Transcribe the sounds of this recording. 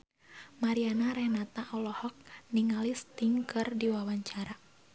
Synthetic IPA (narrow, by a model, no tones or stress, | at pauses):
maɾianaɾɛnat̪aʔɔlɔhɔk̚niŋalist̪iŋkɨrdiwawaɲt͡ʃaɾa